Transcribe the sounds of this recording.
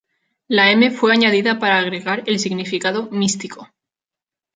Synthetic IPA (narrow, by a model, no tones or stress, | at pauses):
laeme̞fwe̞aɲað̞iðapaɾaːɣ̞ɾe̞ɣaɾe̞lsiɣnifikaðo̞mist̪iko